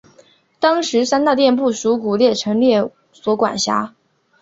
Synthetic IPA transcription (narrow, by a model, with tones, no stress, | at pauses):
t̪ɑ˥ŋʂɻ̩˧˥sa˥nt̪a˥˧t̪jɛ˥˧np̬u˥˩ʂu˧˥ku˨˩ljɛ˥˩ʈ͡ʂʰɤ˧˥ŋljɛ˥˩ | swɔ˧˥kwa̰˨˩nɕja̰˧˥